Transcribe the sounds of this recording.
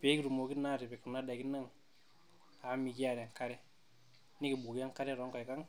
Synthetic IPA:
pe˨˦ki˦ɾu˨mo˨ki˦na˦˨ɾi˨be˨ku˨nːa˦da˨ki˦nːa˦ŋ | a˨˦mi˨ki˦ja˨ɾa˨ŋka˦ɾe˦ | ni˦ki˨bu˨ki˦a˦ŋka˦ɾe˦ɾo˦ŋko˨ka˦ŋ

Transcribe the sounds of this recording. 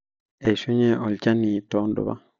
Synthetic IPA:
e˨ʃu˦ɲɛ˦ʔɔ˨lt͡ʃa˦ni˨tɔ˨˦ndɔ̰˨βa̰˦

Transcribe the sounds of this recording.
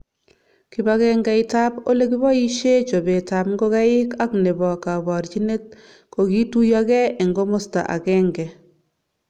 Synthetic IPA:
ki˨baɣɛŋɡɛ˨ɪta˦bo˦le˦ki˦βɔ˦i˦ʃe˦t͡ʃo˨be˨ta˨pŋɡo˦ɣa˦ɪ˦ka˦kne˨bɔ˨ka˨bɔ˨ɾt͡ʃi˦ne˦t̚ | ko˨ɡi˦tu˦jaɡɛ˦ɛ˨ŋɡo˦mo˦sta̰˨ʔa̰˨kɛ˦ŋɡɛ˨

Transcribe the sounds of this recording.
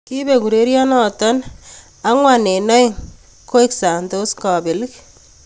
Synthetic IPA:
ki˦be˨ku˨ɾe˦ɾjɔ˦nɔ˨tɔ˦n | a˦ŋwa˨ne˨nɔ˦i˦ŋ | ko˦i˦ksa˨nto˦skɔ˨bɪ˨lɪ˦k

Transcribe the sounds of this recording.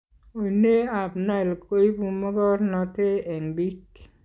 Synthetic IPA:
o˨i˨ne˦a˨bna˦˨lko˦i˦bu˨ma˦ɡɔ˦ɾnɔ˨te˦ɛ˨ŋbi˦k

